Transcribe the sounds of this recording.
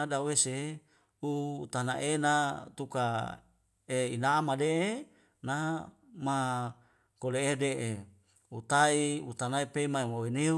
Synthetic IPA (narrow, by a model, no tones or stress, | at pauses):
adawese | ut̪ana̰ʔenat̪uka | einamadeʔe | na | ma | koleːdeʔe | ut̪aiut̪anaepeimaemawene